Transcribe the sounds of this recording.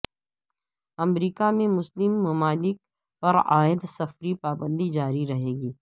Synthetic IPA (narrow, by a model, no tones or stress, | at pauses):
ɐmɾiːkamẽmʊslɪmːɐmaːlɪk̚ | pɐɾa̰ːɪd̪sɐfɾipaːbə̃nd̪id͡ʒaːɾiɾɐɦeːɡiː